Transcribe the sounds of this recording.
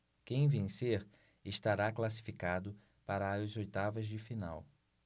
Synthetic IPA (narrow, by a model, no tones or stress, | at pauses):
kẽj̃vẽseɾ | ɪʃt̪aɾaklasi̥fikad̪ʊ | paɾɐːzojt̪avɐzd͡ʒɪfina̰w